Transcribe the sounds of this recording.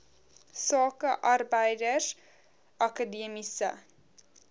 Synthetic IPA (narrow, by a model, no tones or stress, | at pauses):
sɑːkəʔɐrbəjdəs | ʔɐkadimisə̰